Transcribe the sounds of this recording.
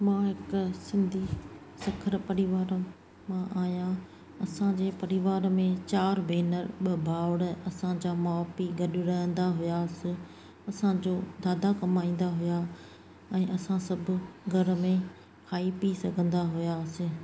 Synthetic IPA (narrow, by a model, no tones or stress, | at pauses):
mãːɦɪksɪ̃nd̪ʱi | sɐkʰəɾpɐɾɪʋaːɾ | mãʔaːɦijã | ɐsãd͡ʑeːpɐɾɪʋaːɾmẽt͡ɕaːɾbʱeːnəɾɓɐbʱaːɽɐsãd͡ʑamaːpiɡɐɗʊ̆ɾɐɦə̃nd̪aɦʊjasɪ | ɐsãd͡ʑoːd̪aːd̪akɐmaĩːn̆d̪aɦʊja | ɛ̃ːʔɐsãsɐbʱʊ̆ɡʱɐɾmẽ | kʰaːipisɐɡʱə̃nd̪aɦʊjaːsɪ̃